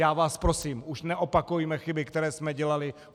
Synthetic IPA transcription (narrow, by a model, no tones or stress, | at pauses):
aːvaːspɾosiːmʔuʃnɛʔopakujumɛxɪbɪkt̪ɛɾɛːsmɛɟɛlalɪ